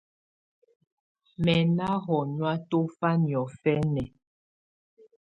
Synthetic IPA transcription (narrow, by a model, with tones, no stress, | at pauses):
mɛ˨na˦ɣɔ˨ɲwa˦to˦fa˦njɔ˨fɛ˦nɛ˨